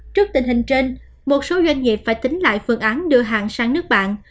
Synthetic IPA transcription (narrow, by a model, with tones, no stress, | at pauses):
t͡ɕɨ˦˥ək̚t̪ï˨˩ŋ̟hï˨˩ŋ̟t͡ɕe˧n | mo˨˩t̚so˨˦zwa˧jŋ̟ŋi˨˩əp̚faː˧˩jt̪ï˨˦ŋ̟la̰ː˧˨jfɨ˧əŋʔaː˨˦nɗɨ˧əɦa̰ː˧˨nsaː˧ŋnɨ˦˥ək̚ɓa̰ː˧˨n